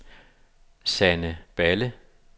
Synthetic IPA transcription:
sænəb̥ælə

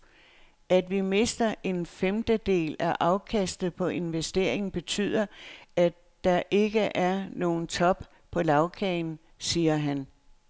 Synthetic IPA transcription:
æd̥ʋime̝sd̥ɐʔe̝nfemd̥əd̥e̝̰ːlæʔɑ̈ʊkʰæsd̥ð̩ˠpʰɒ̽ʔe̝nʋesd̥e̝̰ɐ̰e̝ŋn̩b̥e̝t͡sʰy̰ð̰ˠɐæ | d̥ɑ̈ʔe̝ɡ̥əʔæɐno̝ːn̩t͡sʰɒ̽b̥ | pʰɒ̽lɑ̈ʊkʰɛɪn̩ | siːɐɦæn

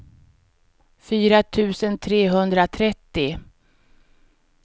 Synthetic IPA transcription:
fyːɾat̪ʰʉ̟ːsənt̪ʰɾeːɦɵnd̪ɾat̪ʰɾɛt̪ːɪ

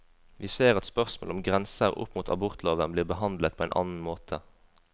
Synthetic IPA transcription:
ʋʔiːseːʁɑt̪spœʁsmo̰ːlɔmɡʁɛnsəʁʊ̰pːmuːt̪ʰɑ̰bʊʁt̪ʰloːʋənbliːʁbəɦɑnd̪lət̪̚pʰoːeːnʔɑ̰nn̩moːt̪ʰə

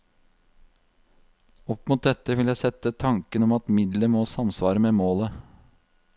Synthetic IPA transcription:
ɔpːmuːt̪̚d̪ɛt̪ːəʋɪljæɪsɛt̪ət̪ʰɑŋkənɔmɑt̪mɪd̪ləmɔːsɑmsʋɑːɾəmeːmoːlə

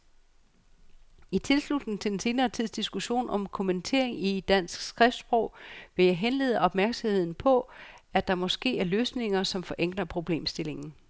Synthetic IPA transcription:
it͡sʰe̝lslud̥nt͡sʰe̝d̥ense̝ːnɐːt͡sʰið̞̰ˠsd̥isɡ̥uɕo̝̰ːnɒ̽mkʰo̝ment͡sʰe̝̰ɐ̰e̝ŋid̥æn̰sɡ̥sɡ̥ʁɛfd̥sb̥ʁɔʊ̰ʋe̝jɑ̈ɪɦenle̝̰ːð̞ˠəɒ̽b̥mæɐɡ̥sɒmhe̝ð̞̰ˠn̩pʰɒ̽æd̥ɑ̈mɒ̽sɡ̥e̝̰ːæɐløːsne̝ŋɐsɒ̽mfɒ̽ʔeŋ̰ɡ̥lɐpʰʁo̝b̥le̝̰ːmsd̥e̝le̝ŋn̩

